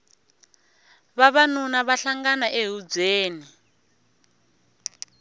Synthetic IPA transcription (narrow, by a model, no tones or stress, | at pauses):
βaβanunaβaɬaŋɡanaʔeɦud͡zeːni